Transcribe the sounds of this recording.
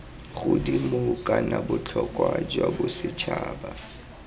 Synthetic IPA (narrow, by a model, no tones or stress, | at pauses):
ɣʊdimokʼanabʊt͡ɬʰɔkʼwad͡ʒwabʊsɪt͡ʃʰaːba